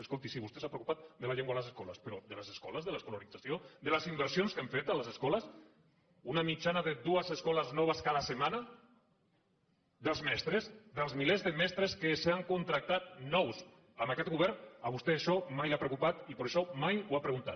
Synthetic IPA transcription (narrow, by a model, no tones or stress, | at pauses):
eskolˠt̪isiβust̪esapɾekupat̪̚d̪əlaʎeŋɡwaləseskɔləspəɾɔd̪ələzeskɔləzðəleskulunid̪d͡zasiod̪ələzimbəɾsionskeɱfet̪aləzeskɔləs | unamit͡ʃanaðeðuəzeskɔləznɔβ̞əskaðəsemana | d̪əlˠzmɛst̪ɾezðəlˠzmilezðəmɛst̪ɾeskesaŋkunt̪ɾak̚t̪at̪̚nɔws | əmakɛt̪̚ɣuβɛɾnəβust̪eaʃɔmajlapɾewkupat̪ipəɾeʃɔmajwapɾeɣunt̪a̰t̪̚